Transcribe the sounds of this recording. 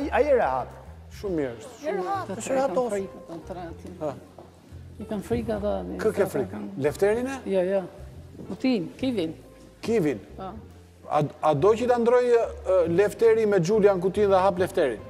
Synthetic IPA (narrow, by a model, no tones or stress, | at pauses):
aaiɛɾɛha̰t̪ɛʃumɛɾsɛaʃɾɛat̪ɔɾikat̪at̪ɾat̪ia | kanfɾikat̪ankəkɛfɾikalɛft̪ɛɾinɛjɔjɔkut̪inkivin | kivina | a̰ad̪ɔcət̪and̪ɾɔjlɛft̪ɛɾimɛd͡ʒuljaŋk̬ut̪inðɛɦap̬lɛft̪ɛɾin